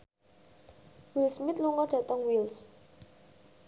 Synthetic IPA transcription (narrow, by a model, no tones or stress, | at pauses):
wilsmɪt̪̚luŋɔɖ̥ä̤t̪əŋwils